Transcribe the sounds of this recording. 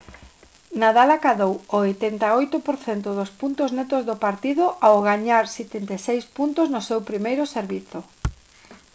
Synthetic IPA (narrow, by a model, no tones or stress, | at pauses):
naðalakaðowoojt̪ɛnt̪aojt̪ʊpoɾθent̪ʊðospunt̪oznet̪ozðopaɾt̪iðʊʔawoɣaɲaɾset̪ent̪esejspunt̪ʊznʊsewpɾimejɾʊseɾβiθo